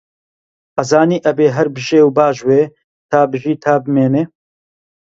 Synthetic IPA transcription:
ʔɐzaːniːʔɐbeːɦɐɾbɨʒeːwbaːʒweː | t̪ʰaːbɨʒiːt̪ʰaːbɨmeːneː

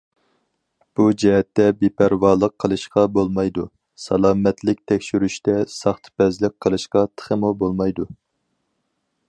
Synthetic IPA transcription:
b̥ud͡ʒɛɦɛt̪ːɛbepʰæɾwɑːlˠəqʰːəlˠɨʃqɑbolˠmɑjd̪u | sɑlˠɑːmɛt̪lɪk̚ʲt̪ʰɛkʲʃyɾyʃt̪ɛsɑχt̪ʰpɛzlɪk̚ʲqʰːəlˠɨʃqɑt̪ʰə̥χəmubolˠmɑjd̪u

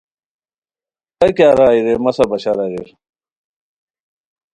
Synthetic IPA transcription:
tɐkaːɾaːiɾemɐsɐbɐɕaɾaɾeɾ

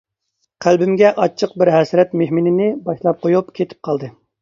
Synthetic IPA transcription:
qʰælbɪmɡʲɛʔɑt͡ʃʰːəq̚bɪɾɦɛsɾɛt̪meɦminɪnɪbɑʃlˠɑp̚qʰojupkʲʰet̪ʰɪ̥p̚qʰɑlˠd̪ɨ

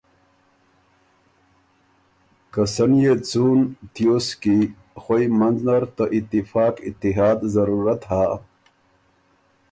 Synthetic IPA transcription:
kəsənjet͡sunt̪ijoski | xojmɐnznɐɾt̪əʔit̪ːifaːkit̪ːiɦaːd̪zɐɾuːɾat̪haː

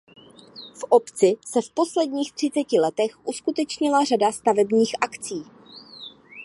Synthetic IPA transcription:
fʔopt͡sɪsɛfpo̞slɛdɲiːxt̪r̝̥ɪt͡sɛcɪlɛt̪ɛxʔuskut̪ɛt͡ʃɲɪlar̝adast̪avɛbɲiːxʔakt͡siː

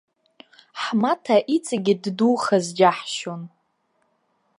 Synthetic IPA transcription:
ħmatʰaʔit͡sʼaɡʲɪdduχazd͡ʒaħʃon

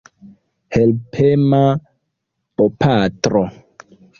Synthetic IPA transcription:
helpʰema | opʰatɾo

